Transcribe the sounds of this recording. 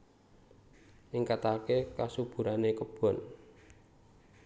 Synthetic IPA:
ʔɪŋkat̪akekasub̥ṳɾanekəb̥ɔ̤n

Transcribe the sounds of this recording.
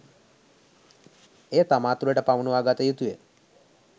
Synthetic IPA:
et̪amat̪ueʈəpaʋnũaɡat̪əjut̪ue

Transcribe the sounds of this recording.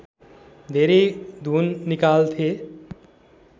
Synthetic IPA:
d̪ʱeɾed̪ʱuːnːikaːlt̪ʰe

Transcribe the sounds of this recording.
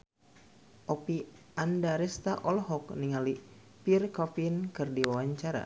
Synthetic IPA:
ʔɔpiʔandaɾɛst̪aʔɔlɦɔkniŋali | pirkɔpinkɨrdiwawaɲt͡ʃaɾa̰

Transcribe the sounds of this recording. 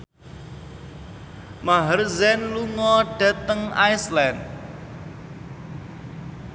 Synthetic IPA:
maɦərzɛnluŋɔɖ̥a̤t̪əŋajsland

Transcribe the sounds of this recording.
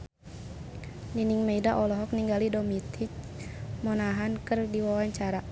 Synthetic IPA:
niniŋmeidaʔɔlɔɦɔk̚niŋɡalidɔmit̪ʰit͡ʃ | mɔnaɦankɨrdiwawaɲt͡ʃaɾa

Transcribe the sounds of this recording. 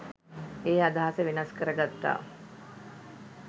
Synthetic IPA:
eːad̪aɦasəʋenaskəɾəɡat̪ːa̰ː

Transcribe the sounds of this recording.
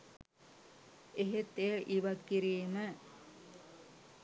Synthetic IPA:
eɦet̪ːejəʔiʋat̪kiɾiːmə

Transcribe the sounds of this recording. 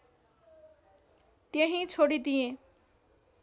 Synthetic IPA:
t̪jeɦĩt͡sʰoɽid̪ijẽ

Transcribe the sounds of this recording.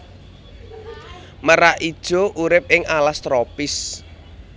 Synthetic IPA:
məɾaid̥ʒ̥o̤ʔuɾɪp̚ɪŋalast̪ɾopɪs

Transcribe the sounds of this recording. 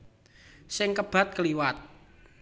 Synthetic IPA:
sɪŋkəb̥a̤t̪̚kəliwat̪̚

